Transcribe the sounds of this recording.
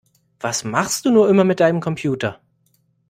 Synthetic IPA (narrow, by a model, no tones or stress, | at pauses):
v̥asmaχst̚d̥uːnuːɐʔɪmɐmɪt̚d̥aɪnəmkʰɔmpʰjuːtɐ